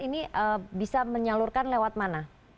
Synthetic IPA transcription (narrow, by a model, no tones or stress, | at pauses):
iniʔəbisaməɲalurkanlewat̪̚mana